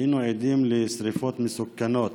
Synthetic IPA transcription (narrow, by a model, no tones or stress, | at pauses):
ɪnʊʕɪd̪iːmlɪsɾɪfɑːt̪mɪsʊkːanɑːt̪